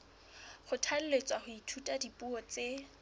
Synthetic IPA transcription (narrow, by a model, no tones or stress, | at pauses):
χʊtʰal̩let͡sʼwaχʊitʰutʼadipʼuɔt͡se